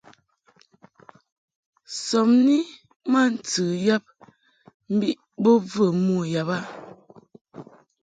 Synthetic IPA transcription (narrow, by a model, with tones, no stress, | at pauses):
sɔ˨mni˦ | ma˦˨n̩˨tɨ˨ja˦p̚ | m̩˦bi˦ʔ | bo˦və˦˨mu˦˨ja˨ba˦˨